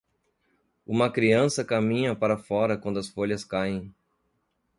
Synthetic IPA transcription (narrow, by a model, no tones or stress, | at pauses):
ũmɐkɾiɐ̃sɐkamĩɲɐpaɾɐfɔɾɐkwɐ̃nd̪ʊɐsfoʎɐskajẽj̃